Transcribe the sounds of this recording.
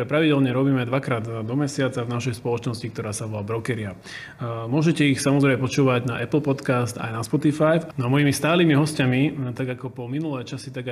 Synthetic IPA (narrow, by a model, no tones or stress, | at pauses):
ɾɛpɾaʋiɟɛlɲɛɾɔbiːmɛd̪ʋakɾaːd̪d̪ɔmɛsɪat͡savnaʃɛjspɔlɔt͡ʃnɔscikt̪ɔɾaːsaʋɔlabɾɔkɛɾia | mʊɔʒɛcɛixsamɔzɾɛɪmɛp̬ɔt͡ʃuːʋaɟnaʔɛpl̩pɔt̪kast̪a̰jnaspɔt̪ifajfnɔamɔjimist̪aːliːmiɦɔscamit̪aɡakɔpɔminulɛjt͡ʃasit̪aɡa